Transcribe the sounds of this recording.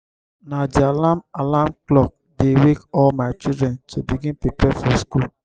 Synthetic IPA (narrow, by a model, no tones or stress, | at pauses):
nadialamalamklɔk̚ | dewekɔlmaɪt͡ʃildɾɛntʰobiɡĩnpepɛfɔskul